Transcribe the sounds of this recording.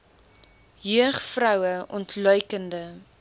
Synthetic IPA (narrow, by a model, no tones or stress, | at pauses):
jyəχfrœwəʔɔntʰlœɥkəndə